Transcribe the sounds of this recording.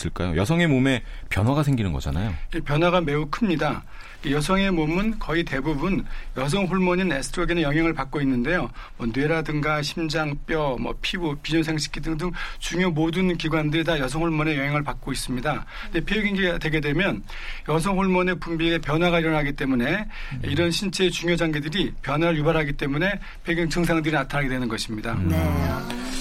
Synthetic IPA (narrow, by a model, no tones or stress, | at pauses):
s͈ɯɭk͈a̰jo̰jʌsʰʌŋe̞mome̞pjʌnwaɡasʰeŋɡinɯnɡʌd͡ʑa̰na̰joepjʌnɦwaɡame̞ukʰɯmɲida | kejʌsʰʌŋe̞momɯnkʌite̞bubunjʌs̬ʰʌŋɸuɭmʌɲine̞sʰtʰɾoɡenjʌŋɦeŋɯɭpak͈oinːɯnde̞jomwʌnwe̞ɾadɯŋɡaɕʰimd͡ʑaŋp͈jʌmwʌ̰pʰibopiɲonsʰeŋɕʰi̥k͈idɯŋdɯŋt͡ɕuŋjomodɯnkiɡwandɯɾidajʌsʰʌŋɸuɭmʌne̞jʌŋɦeŋɯɭpak͈̚ois͈ɯmɲida | ndepʰeuɡiɡidwe̞ɡe̞dwe̞mjʌn | jʌsʰʌŋɦuɭmʌne̞pumbiɡepjʌnwaɡaiɾʌnɦaɡit͈e̞mune̞iɾʌnɕʰint͡ɕʰet͡ɕuŋjod͡ʑaŋɡedɯɾipjʌnwaɾɯɭjubaɾɦaɡit͈e̞mune̞ | pʰeɡjɯŋt͡ɕɯŋs̬ʰaŋdɯɾinatʰaɾaɡe̞dwe̞nɯnɡʌɕʰimɲidane